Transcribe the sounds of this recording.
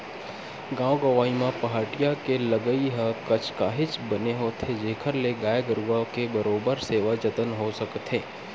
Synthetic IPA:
ɡãːoɡɐʋaːimãpɐɦaːʈijakelɐɡəiɦəkɐt͡ʃʰkaːɦɪt͡ʃbɐneɦoːt̪ʰed͡ʒeːkʰəɾleɡaːjeɡəɾuʋakebɐɾoːbəɾseːʋad͡ʒɐt̪ənɦosɐkt̪ʰẽː

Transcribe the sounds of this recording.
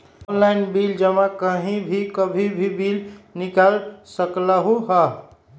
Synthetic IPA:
onlaɪnbild͡ʒəmakəɦĩbʱikəbʱibʱibilnikalsəkləɦuɦə

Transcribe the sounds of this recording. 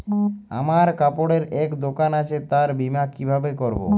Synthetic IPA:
a̰maɾkapoɽeɾɛkd̪okanat͡ɕʰet̪aɾbimakibʱabekoɾbo̰

